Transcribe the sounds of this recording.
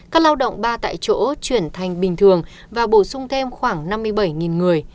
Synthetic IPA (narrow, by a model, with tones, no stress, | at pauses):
kaː˦˥k̚laː˧wɗə̰˧˨wŋ͡mɓaː˧t̪a̰ː˧˨jt͡ɕo̰˧˥t͡ɕwi˧˩ənt̪ʰa˨˩jŋ̟ɓï˨˩ŋ̟t̪ʰɨ˨˩əŋ | vaː˨˩ɓo˧˩sʊ˧ŋ͡mt̪ʰe˧mxwaː˧˩ŋna˧mːɨ˧əjɓə˧˩jŋi˨˩nŋɨ˨˩əj